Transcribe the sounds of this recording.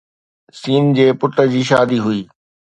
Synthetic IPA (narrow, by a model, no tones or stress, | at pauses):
siːnd͡ʑeːpʊʈə̆d͡ʑiːʃaːd̪iɦʊiː